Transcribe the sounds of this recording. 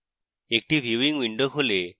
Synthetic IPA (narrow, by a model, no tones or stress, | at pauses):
ek̚ʈibʱiʋiŋɡʋiɳɖokʰole